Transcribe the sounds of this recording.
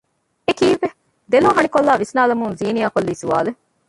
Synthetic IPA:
ekiːʋʋe | d̪elɦoɦɐɳikolːaːʋisnaːlɐmuŋziːnijaːkolːiːsuʋa̰ːle

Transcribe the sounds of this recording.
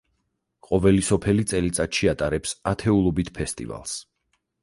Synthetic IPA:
qʼɔvɛlisɔpʰɛlit̪sʼɛlit̪sʼat̪ʃiat̪ʼaɾɛpsat̪ʰɛulˠɔbit̪ʰpʰɛst̪ʼḭva̰lˠs

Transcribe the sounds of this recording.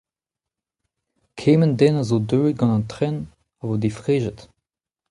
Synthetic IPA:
kʰeːməndɛnazodøːɡɑ̃nɑnt̪ʁɛn | ɑvod̪efʁeːʒət

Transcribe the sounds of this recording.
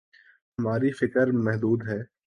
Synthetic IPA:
ɦɐmaːɾifɪkəɾmɛɦd̪uːd̪ɦɛː

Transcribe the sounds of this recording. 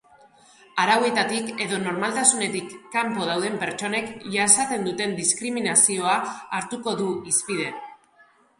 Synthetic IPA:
aɾawe̞t̪at̪ike̞ðo̞no̞ɾmalt̪asune̞t̪ikːampo̞ð̞awðe̞mpe̞ɾt͡ʃo̞ne̞kʝasat̪e̞nd̪ut̪e̞nd̪iskɾiminasio̞aːɾt̪uko̞ðuispiðe̞

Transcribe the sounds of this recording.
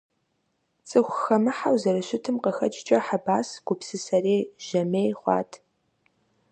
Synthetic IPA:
t͡sʼɨxʷxɐmɨħawzɐɾɨɕɪtʰɨmqəxɐt͡ʃʼɪt͡ʃʼɐħabaːsɡ̥ʷʊpsɨsɐreːʒ̥ɐmeːjχʷɑ̰ːtʰ

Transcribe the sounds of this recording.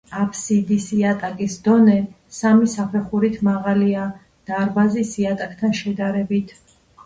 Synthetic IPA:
apʰsid̪isiat̪ʼakʼisd̪ɔnɛ | samisapʰɛχuɾit̪ʰmaʁalia | d̪̥aɾbazisiat̪ʼak̚ʰʼt̪ʰanʃɛd̪aɾɛbit̪ʰ

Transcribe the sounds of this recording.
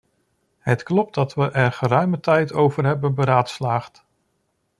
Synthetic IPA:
ɦətklɔp̚ddɑtʋəʔɛɹχəɾœɥmətɛjtʰowvəɹɦɛbənbəɾaːtslaːχt

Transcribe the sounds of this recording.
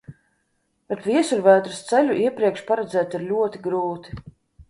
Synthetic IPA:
b̥ɛt̪vʲiɛsuɾvæːd̪ɾst̪sɛlʲuʔiɛpɾiɛkʃpaɾɛd̪zæːt̪iɾlʲuɔt̪iɡɾuːt̪i̥

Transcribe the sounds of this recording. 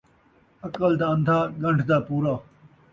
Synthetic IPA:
ɐkəld̪aːə̃nd̪ʱaːɡɐ̃ɳɖʰʱd̪aːpuːɾaː

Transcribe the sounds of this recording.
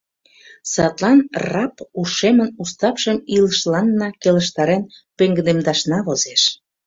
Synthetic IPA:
sɑt̪lɑnrɑpuʃemənust̪ɑpʃəmiləʃlɑnːɑkeləʃt̪ɑɾenpøŋɡəd̪emd̪ɑʃnɑβozeʃ

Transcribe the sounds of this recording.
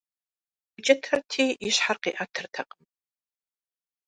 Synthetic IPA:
bɨt͡ʃʼɐtʰɐrtʰiːɪɕħarqḭːʔɐtʰɨrtʰɐqʼəm

